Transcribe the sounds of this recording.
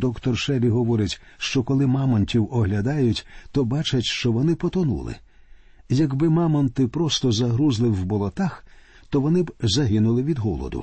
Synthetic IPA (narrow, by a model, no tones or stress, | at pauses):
d̪ɔkt̪ɔrʃɛlʲiɦɔʋɔɾɪtʲ | ʃt͡ʃɔkɔlˠɪmɑmɔnʲtʲiwɔɦlʲɐd̪ɑjʊtʲt̪ɔbɑt͡ʃɐtʲʃt͡ʃɔʋɔnɪpɔt̪ɔnṵlˠɪ̰ | jɐɡbɪmɑmɔnt̪ɪpɾɔst̪ɔzɐɦɾuzlˠɪwbɔlˠɔt̪ɑx | t̪ɔʋɔnɪbzɐɦɪnʊlˠɪʋʲid̪ɦɔlˠɔ̰d̪ʊ̰